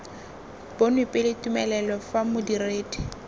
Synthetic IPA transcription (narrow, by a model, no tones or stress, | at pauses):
bonwipʼɪlɪtumɛlɛlɔfamʊdireːdi